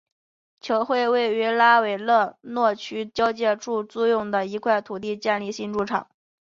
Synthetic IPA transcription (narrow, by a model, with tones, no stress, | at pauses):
t͡ɕʰjo˧˥ʊxwe˥˧ɪwe˥˩ɪy˧˥la˥we˨˩ɪlɤ˥˧nwɔ˥˩t͡ɕʰy˥t͡ɕ̪jɑ˥ʊt͡ɕjɛ˥˧ʈ͡ʂu˥˧t͡su˥˧jʊ˥˩ŋd̪ə˩i˧˥kʰwa˥˩ɪt̪ʰu˨˩t̪i˥˧t͡ɕjɛ˥˧nli˥˧ɕi˥˧nʈ͡ʂu˥˩ʈ͡ʂʰɑ̰˨˩˦ŋ